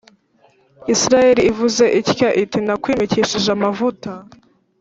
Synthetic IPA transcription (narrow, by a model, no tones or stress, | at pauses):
isɾaje̞ɾiivuze̞ʔicjaʔitinakwiːmiciʃiʒamavuta